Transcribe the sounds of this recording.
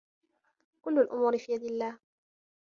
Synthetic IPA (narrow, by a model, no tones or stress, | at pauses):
kʊlːʊlʔʊ̰muːɾɪfiːjad̪ɪlːaːh